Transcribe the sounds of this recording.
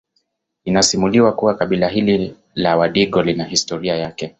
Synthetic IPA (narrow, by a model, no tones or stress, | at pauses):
inasimuliwakuwakaɓilaɦili | lawaɗiɠɔlinahistɔɾiajakɛ